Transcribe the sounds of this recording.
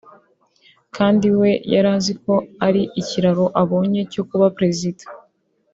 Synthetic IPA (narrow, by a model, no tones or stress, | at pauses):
kʰaːndiwe̞jaɾaːziko̞aɾiʔiciɾaɾo̞ʔaβo̞ːɲe̞cokuβapɾe̞zidḁ